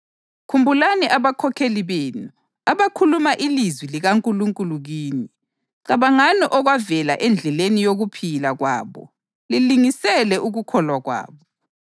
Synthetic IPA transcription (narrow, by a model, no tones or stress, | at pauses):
kʰumbʱulaniʔaβakʰɔkʰeliβeːnu | aβakʰulumaʔilizwiliɣaŋkʼuluŋkʼuluɣiːni | ǀaβaŋanɔʔɔɣwavɛlaʔɛnd͡ɮʱɛlenijoɣupʰilaɣwa̰ːβɔ̰ | liliŋisɛlɛʔuɣukʰɔlwaɣwa̰ːβɔ